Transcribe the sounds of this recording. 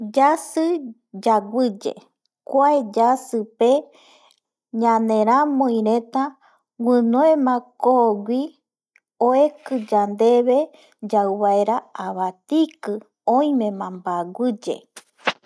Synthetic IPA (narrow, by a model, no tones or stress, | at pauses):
d͡ʒasɨ | d͡ʒaɡʷɨd͡ʒḛ | kʷaed͡ʒasɨpe | ɲãnẽɾ̃ãmõĩɾẽt̪a | wɨ̃noẽmãkoɡʷi | oekɨd͡ʒand̪eβe | d͡ʒawβaeɾaaβat̪ikɨ | õĩmẽmãmbaɡʷɨd͡ʒḛ